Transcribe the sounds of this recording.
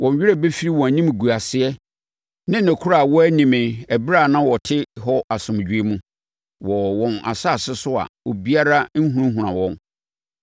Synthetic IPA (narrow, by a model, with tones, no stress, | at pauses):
wʔɔ̃˨n˨ɥɪ˦ɾɛ˦be˦fi˦ɾi˦wɔ̃˨nĩ˦m˨ɡu˨a˨sɪ˦ɛ˦ | nɪ̃˦næ̃˨kʰʊ˦ɾa˨wɔ˦æ˦nĩ˨mɪ̃˨æ˨bɾa˦˨nã˦wɔ˨tʰɪ˦ɦɔ˦ʔa˨sʊ̃˨m˨d͡ʑᶣi˦e˦mũ˦ | wɔ˨wɔ̃˨na̰˨sa˦˨sɪ˦sʊ˦a̰˨o˨bi˦a˦ɾa˦n̩˦ɦũ˦ũ˦ɦũ˨ɾã̰˨wɔ̃˦n